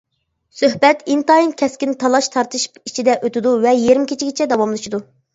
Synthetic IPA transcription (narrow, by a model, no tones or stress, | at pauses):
søhbɛt̪int̪ɑinkʲʰɛskʲint̪ʰɑlˠɑʃt̪ʰɑɾt̪ʰɨʃpit͡ʃʰid̪ɛʔøt̪ɪd̪uvɛjeɾmkʲʰet͡ʃʰiɡʲɪt͡ʃʰɛd̪ɑwɑmlˠɨʃid̪u